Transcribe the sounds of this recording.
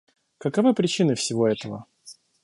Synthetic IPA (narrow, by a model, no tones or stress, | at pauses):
kəkavɨpɾʲɪt͡ɕinɨfsʲɪvo̞ɛt̪əvə̰